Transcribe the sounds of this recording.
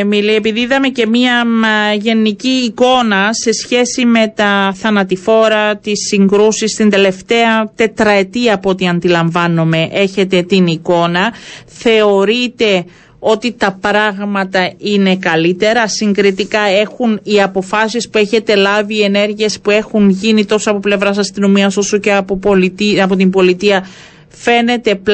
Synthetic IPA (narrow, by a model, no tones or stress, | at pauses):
milie̞piðiiðɐme̞ce̞miɐʝe̞niciːko̞nɐse̞sçe̞sime̞t̪ɐθɐnɐt̪ifo̞ɾɐt̪isːiŋɡɾusist̪ind̪e̞le̞ft̪e̞ɐt̪e̞t̪ɾɐet̪iɐpot̪iɐnd̪ilɐɱvɐnome̞ʔe̞çe̞t̪e̞t̪iniko̞nɐθe̞o̞ɾit̪e̞ | o̞t̪it̪ɐpɾɐɣmɐt̪ɐine̞kɐlit̪e̞ɾɐsiŋɡɾit̪ikɐe̞xuniɐpo̞fɐsispue̞çe̞t̪e̞lɐviːe̞ne̞ɾʝie̞spue̞xunʝinit̪o̞soɐpo̞ple̞vɾɐsɐst̪ino̞miɐso̞so̞ceɐpopolit̪iɐpo̞t̪imbo̞lit̪iɐ | fe̞ne̞t̪e̞p